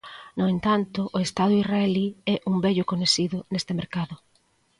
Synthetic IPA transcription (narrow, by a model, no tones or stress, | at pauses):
noent̪ant̪ʊʔoest̪aðʊisraeliɛʔuŋbɛʎʊkoɲesiðʊnest̪emeɾkaðʊ